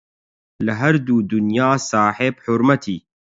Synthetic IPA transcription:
lɨɦɐɾd̪uːd̪ʊnjaːsaːħeːbħʊɾmɐt̪ʰiː

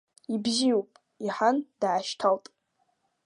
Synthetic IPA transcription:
ibzijupʼ | iħand̥ʕaʃtʰaltʼ

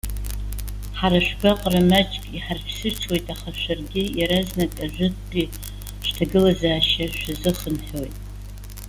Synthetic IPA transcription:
ħaɾaʃᶣɡaqʼramat͡ʃʼkʼiħarpʰsɨt͡sʰwe̞jtʼaχaʃʷarɡʲɪjaɾaznakʼaʒʷᶣɨtʼɡʲʼi | ʃtʰaɡɨlazaːʃaʃᶣazɨχənħojtʼ

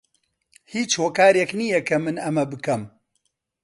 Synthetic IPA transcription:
hiːt͡ʃhoːkaːɾjɛknijɛkʰɐmɨnɐmɐbɨkɐm

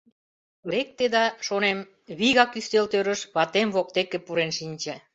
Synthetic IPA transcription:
lek̚t̪ed̪ɑʃonem | βiɣɑkyst̪elt̪øɾə̆ʃβɑt̪emβok̚t̪ekĕpuɾenʃinʲt͡ɕe

